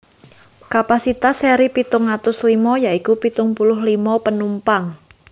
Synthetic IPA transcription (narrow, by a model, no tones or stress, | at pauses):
kapasit̪aseɾipit̪ʊŋat̪ʊslimɔjaikupit̪ʊŋpulʊɦlimɔpənumpaŋ